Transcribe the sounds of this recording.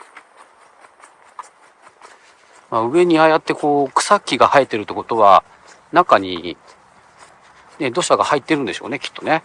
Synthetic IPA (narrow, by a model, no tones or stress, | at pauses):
maɯ̟e̞ɲ̟iajat̪ːe̞ko̞ːkɯ̥sakʲːiɡahaet̪ːe̞ɾɯ̟t̪ːe̞ko̞t̪o̞βa̰ | nakaɲ̟ḭ | ne̞d̪o̞ɕaɡahait̪ːe̞ɾɯ̟nd̪e̞ɕo̞̰ːne̞kʲi̥t̪ːo̞ne̞